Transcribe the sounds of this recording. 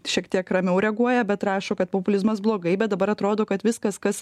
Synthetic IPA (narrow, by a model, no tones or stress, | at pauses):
ʃʲiɛkt̪ʲiɛkɾɐmʲɛʊɾʲɛɡuɔjɛbʲɛt̪ɾɑːʃoːkɐt̪̚popʊlʲɪzmɐs̬blˠoːɡɐɪbʲɛt̪̚d̪ɐbɐɾɐt̪ɾoːd̪oːkɐt̪ʋʲɪskɐskɐs